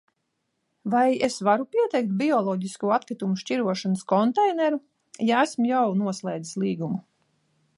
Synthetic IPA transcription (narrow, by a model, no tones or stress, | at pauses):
vajesvaɾupʲiɛt̪ɛjk̚t̪̚bʲiɔlˠɔːɟiskuat̪̚kɾit̪umuʃt͡ʃʲiɾuɔʃanəskɔnt̪ɛjnɛɾu | jaæsmujawnuɔslˠɛjd̪zislˠiːɡumu